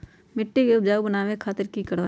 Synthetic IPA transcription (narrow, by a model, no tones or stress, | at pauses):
mɪʈːekeʊbd͡ʒaːubənaːwẽkʰaːt̪ɪɾkikəɽoː